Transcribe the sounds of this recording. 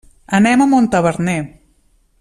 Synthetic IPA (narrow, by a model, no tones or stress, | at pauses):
ənɛməmont̪əβəɾnɛ